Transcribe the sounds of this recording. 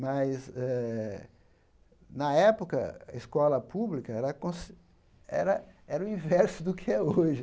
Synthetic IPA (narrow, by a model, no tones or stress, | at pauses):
mɐjzɛ | nɐɛpokɐɐ̰eskɔlɐpublikɐɛɾɐkõs | ɛ̰ɾɐɛɾɐʊ̃ĩvɛɾsʊd̪ʊkʰɪɛoʒɪ